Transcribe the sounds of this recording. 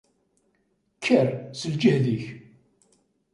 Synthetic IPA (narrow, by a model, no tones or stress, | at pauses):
kʰːərsəld͡ʒəhðiç